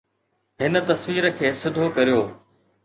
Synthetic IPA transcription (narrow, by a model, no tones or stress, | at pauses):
ɦɪnə̆t̪ɐsʋiːɾə̆kʰeːsɪd̪ʱokɐɾijoː